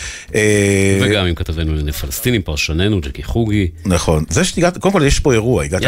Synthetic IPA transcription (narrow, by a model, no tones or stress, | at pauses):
eveɡamimkat̪avenulenefalest̪inimpaʁʃanenud͡ʒekiχuɡinaχo̞nzeʃeiɡat̪kodemkoljeʃpo̞e̞ʁuaiɡat̪